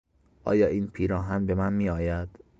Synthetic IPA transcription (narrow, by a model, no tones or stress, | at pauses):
ʔɒ̰ːjɒːʔiːnpʰiːɾɒːɦænbe̞mænmiːɒːjæd̪̥